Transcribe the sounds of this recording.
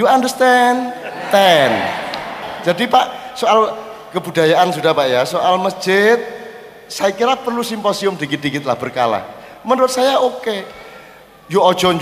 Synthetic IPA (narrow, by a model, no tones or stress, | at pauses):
juandərst̪ɛnt̪ɛn | d͡ʒ̥adipaʔsoal | kəbudajaʔansudahpaʔjasoʔalməsd͡ʒ̥ɪt̪̚ | sajakiɾapərlusimposiʊmdikid̪ikɪt̪̚lahb̥ərka̰la̰hmənɾʊt̪̚sajaoke | juɔ̥d͡ʒ̥ɔɲd͡ʒ